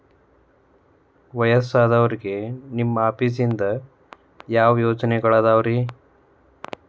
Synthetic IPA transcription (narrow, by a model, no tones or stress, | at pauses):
ʋɐjɐsaːd̪ɐʋɐɾiɡe̞nimːɐaːpis̬ind̪ɐ | jaːʋɐjoːt͡ʃɐnɛɡɐɭaːd̪aːʋɐɾi